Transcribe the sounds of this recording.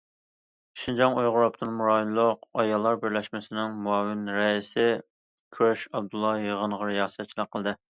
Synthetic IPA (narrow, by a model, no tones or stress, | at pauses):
ʃind͡ʒɑŋojʁʊɾɑp̚t̪ʰɨnmuɾɑlˠːʊqɑjɑlˠːɑɾbɪɾlɛʃmɪsɪnɪŋmuɑːwɪnɾɛisɪ | kʲʰyɾɛʃɑb̚d̪ulˠːɑjəʁəɴʁɑɾjɑːsɛt̪̚t͡ʃʰilˠəqʰːəlˠd̪ɨ